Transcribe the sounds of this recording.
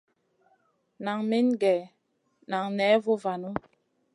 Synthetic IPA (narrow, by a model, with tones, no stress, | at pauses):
na˨ŋmi˦nɡɛ˨ | na˨ŋnɛ˨˦vo˦va˨nu˦